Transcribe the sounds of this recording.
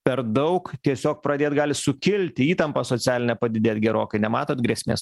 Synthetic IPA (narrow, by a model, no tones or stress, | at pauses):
pʲɛɾd̪ɐʊkt̪ʲiɛsʲoːk̚pɾɐdʲeːt̪ɡɑːlʲɪsʊkʲɪlʲt̪ʲɪiːt̪ɐmpɑsoːt͡s̪ʲsʲæːlʲɪnʲɛpɐd̪ʲɪd̪ʲeːt̪ɡʲɛɾoːkɐɪnʲɛmɑːt̪oːt̪ɡɾʲɛːsʲmʲḛːs